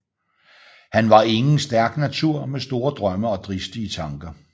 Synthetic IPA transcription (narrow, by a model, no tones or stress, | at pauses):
hænʋɑ̈e̝ŋn̩sd̥æɐɡ̥næt͡sʰuɐ̰mesd̥o̝ːɐd̥ʁɶməɒ̽d̥ʁisd̥iət͡sʰɑ̈ŋɡ̥ɐ